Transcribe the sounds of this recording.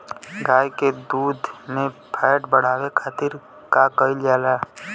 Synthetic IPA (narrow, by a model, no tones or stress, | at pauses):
ɡaːjked̪uːd̪ʱnepʰɛːʈbəɽ̤aːwekʰaːt̪ɪɾ | kakəɪld͡ʒaːlaː